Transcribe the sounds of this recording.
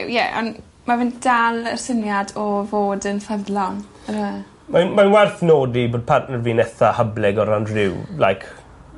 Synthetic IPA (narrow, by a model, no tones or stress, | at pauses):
jɛʔɔ̰n | mavɪnd̥alˠərsənjadɔvoːdənfɛðlɔŋ | əɾə | mamanwɛrθnoːdiboːd̚pʰarʔnərvinɛθahəblɛɡɔɾandrɪwla̰jkʰ